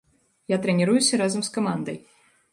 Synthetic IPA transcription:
jat̪ɾɛnʲɛɾujusʲɐɾazɐmskɐmand̪ɐj

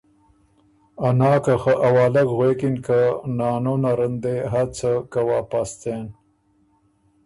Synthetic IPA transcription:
anɑːkaxəʔawɑːlakɣwekinkanɑːnonaɾənd̪eɦat͡sʰəkawapast̪en

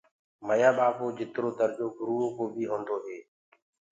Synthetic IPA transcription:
məjaːɓaːpoːd͡ʒɪt̪ɾoːt̪əɾd͡ʒoːɡʱʊɾuːoːkoːbiːɦõːnd̪oːɦeː

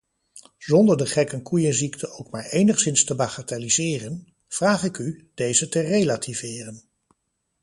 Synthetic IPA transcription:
z̥ɔndəɹdəχɛkənkujənziktʰəʔowkmaːɹejnəχsɪnstəbaχatalizɪːrən | v̥raːχɪkyd̥ejzətərejlatʰivɪːrən

